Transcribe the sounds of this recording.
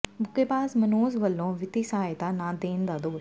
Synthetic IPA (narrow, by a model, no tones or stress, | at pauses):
bʱʊkːepaːsmɐnoːzʋɐlːõːʋɪt̪isaːjt̪anãːd̪eːnd̪ad̪oːʃ